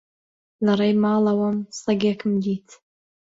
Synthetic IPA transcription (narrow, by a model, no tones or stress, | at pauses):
lɨrˤejmɑːlˠɐwɐmsˤɐɡekʰɨmd̪iːt̪ʰ